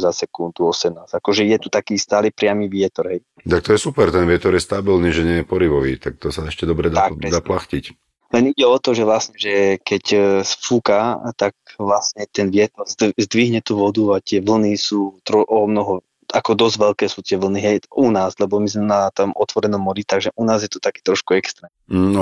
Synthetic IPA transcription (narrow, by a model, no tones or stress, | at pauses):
zasɛkund̪uɔsɛmnaːz̥akɔʒɛjɛt̪ut̪akiːst̪aːlipɾɪamiːʋɪɛt̪ɔɾɦɛj | t̪ak̚t̪ɔjɛsupɛɾt̪ɛnʋɪɛt̪ɔɾjɛst̪abilniʒɛɲɪɛjɛpɔɾiʋɔʋḭːt̪ak̚t̪ɔsaɛʃcɛd̪ɔbɾɛd̪aad̪aːplaxcic | lɛniɟɛɔt̪ɔʒɛʋlasɲɛʒɛkɛcsfukat̪ak̚ʋlasɲɛt̪ɛnʋɪɛt̪ɔɾzzd̪ʋiɦɲɛt̪uːʋɔd̪uat̪ɪɛʋl̩nisuːt̪ɾɔʔɔmnɔɦɔ | akɔd̪ɔzɟʋɛlkɛːsuːt̪ɪɛʋl̩niɦɛjunaːzlɛbɔmizmɛnat̪ɔmɔt̪ʋɔɾɛnɔmːɔɾit̪aɡʒɛʔunaːzjɛt̪ɔt̪akiːt̪ɾɔʃkuɛkst̪ɾɛːmm̩nɔ